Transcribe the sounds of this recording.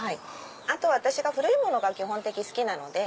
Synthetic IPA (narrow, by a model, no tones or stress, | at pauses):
hai | at̪o̞βat̪aɕiɡaɸɯ̟ɾɯ̟imo̞no̞ɡakʲiɦõ̞nt̪e̞kʲisɨ̥kʲinano̞̰d̪e̞